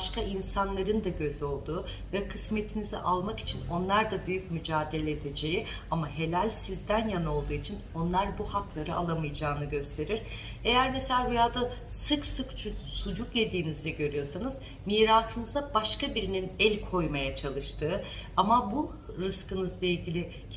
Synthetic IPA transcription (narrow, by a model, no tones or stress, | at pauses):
ʃkainsanlˠaɾɯnd̪aɟø̞zo̞lˠd̪uː | vɛkʰɯsme̞t̪ʰinizɛ̰ʔalˠmaki̥t͡ʃʰino̞nlˠaɾd̪abyjycmyd͡ʒaːd̪e̞lʲeːd̪e̞d͡ʒe̞ji | amaɦe̞lʲælʲsizd̪ænjano̞lˠd̪uːit͡ʃʰino̞nlˠaɾbuhaklˠaɾɯa̰lˠamɯjd͡ʒaːnɯɟø̞st̪ʰe̞ɾiɾ̥ | e̞jæɾmeselʲaːbujaːd̪a | sɯksɯkt͡ʃʰusud͡ʒukje̞d̪iːnizlʲɛɟø̞ɾyjo̞ɾsanɯz̥ | miːɾaːsɯnɯzabaʃkabiɾininɛlʲkʰo̞jmajat͡ʃʰalˠɯʃt̪ʰɯːamabu | ɾɯskɯnɯzlˠailʲɟʲilʲɪ